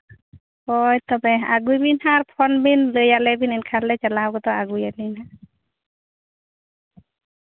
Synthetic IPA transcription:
ɔjt̪ɔbɛa̰ɡujbinhaɹpʰɔnbinlɯjalɛbininkʰaɾlɛt͡ʃalawɡɔt̪ɔaɡujalina

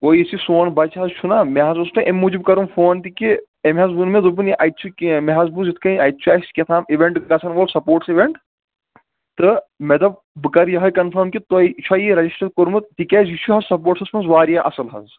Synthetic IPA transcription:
koːjisisoːnbɐt͡ʃɦɐzt͡ʃʰunameɦɐzusʈɐʔemːud͡ʒib̚kɐɾumfoːnt̪iki | emʲɦɐzbunmezubɨnjiʔɐjt͡ʃʰukmeɦɐzbuzit̪ʰkɐiɐjt͡ʃʰuɐjskʲet̪ʰaːmiʋeɳʈɡɐsʰɐnʋolsɐpoːɾʈsiʋeɳʈ | t̪ɨmed̪ɐb̚ | bɨkɐɾjɐɦɐjkɐnfʰɐɾmkit̪oit͡ʃʰɐjiɾɐd͡ʒisʈɐɖ̚koɾmɨt̪̚t̪ikʲɐzjit͡ʃʰuɦɐzsɐp̬oːɾʈsɐsmɐnsʋaːɾijaʔɐsɐlɦɐ̰z

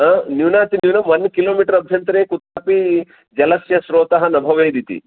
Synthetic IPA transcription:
ɐnuwnaːt̪iniwnɐmʋɐnkiloːmiːʈɐɾɐbʱjɐnt̪ɾeːkut̪aːpi | d͡ʒɐlɐsjɐsɾoːt̪ɐɦɐnɐbʱɐʋɐjd̪it̪ḭ

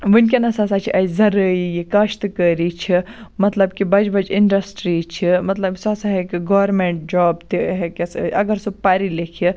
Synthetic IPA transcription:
ʋɨnkʲenɐsasaːt͡ʃʰiʔɐzɐɾəijikɐʃt̪kəːɾit͡ʃʰimɐt̪lɐbkibɐd͡ʒbɐd͡ʒiɳɖɐsʈɾit͡ʃʰimɐt̪lɐbsasaɦekɡoʋɐɾmeɳʈ̚d͡ʒɔːbt̪iɦekesɐɡɐɾsub̚paːɾilekʰi

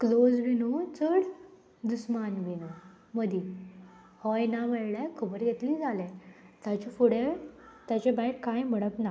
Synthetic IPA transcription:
klod͡zʋinut͡səɽ | d̪usmanʋinu | məd̪ʱi | hɔjnameɭlakʰəbəɾɡet̪liːd͡zʱalet̪at͡ɕifuɽet̪jat͡ɕebajʈkajməɽəpna

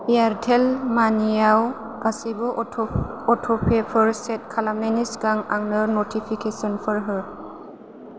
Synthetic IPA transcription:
jaɾtʰelmanijaw | kasibɔ | ɔtʰɔpʰepʰɔɾset̚kʰalamnenisɡaŋaŋnəɾnotʰipʰikesɔnpʰɔɾɦɯ

